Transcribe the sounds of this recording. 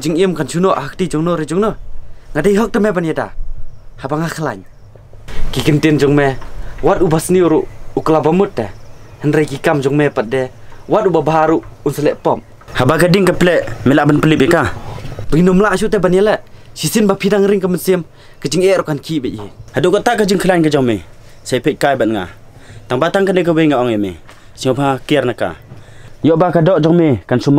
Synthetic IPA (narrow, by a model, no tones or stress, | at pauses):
kt͡ʃiŋimkansunɔʔhak̚tid͡ʒɔŋnɔɾid͡ʒɔŋnɔŋadejɦɔk̚tamɛbanjada̰habaŋakʰalaɲ | kikintind͡ʒɔŋmɛwat̚ubasniuɾuʔuklabamut̚dɛ | hənɾejkikamd͡ʒɔŋmɛpat̚dɛwat̚ubabɦaɾuʔunsəlɛʔpɔm | habakadiŋkaplɛʔmɛlaʔbənpəlip̬̚jikabəɡinɔmlaʔs̬uʔt̬ɛbanjalɛʔsisinbapʰidaŋɾiŋkəmənsim | kəd͡ʒiŋɛʔɾɔkankʰiʔbɛʔ̚jihaduʔkɔtakəd͡ʒiŋkʰəlankəd͡ʒɔŋme | sapɛt̚kajbanŋa̰ | taŋbataŋkandɛkəwejŋaʔɔŋjemḛ | siŋɔbakijarnaka̰ɲjɔʔbakadɔʔd͡ʒɔŋmekansum